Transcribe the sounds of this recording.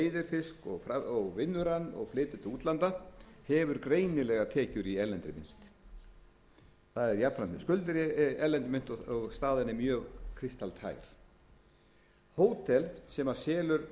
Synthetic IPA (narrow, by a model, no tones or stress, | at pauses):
ejðɪɾfɪskɔɣfaɔɣvɪnːʏɾanːɔ̰ɣflɪːt̪ʏt̪uːt̪lant̪ahɛvʏɾkɾeːjnɪlɛɣat̪ʰɛːcʏɾiɛlɛnt̪ɾɪmɪ̰nt̪ | θaðɛɾjapfɾant̪nɪskʏlt̪ɪɾɛlɛnt̪ɪmɪn̥t̪ɔɣst̪aːðɪnːɪmjœːɣkʰɾɪst̪alt̪ʰa̰ːjɾ̥ | hoːwt̪ʰɛlsɛmḁsɛːlʏɾ